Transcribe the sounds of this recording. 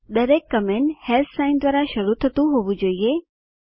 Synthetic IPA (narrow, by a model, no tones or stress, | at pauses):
d̪əɾekːəmeɳhelt̪ʰsaɪnd̪ʋaɾaʃəɾut̪ʰət̪ũɦoʋũd͡ʒoie